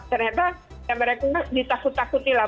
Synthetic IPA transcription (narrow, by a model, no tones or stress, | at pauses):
kəɾat̪a | jaməɾekaadit̪akut̪ːakut̪ila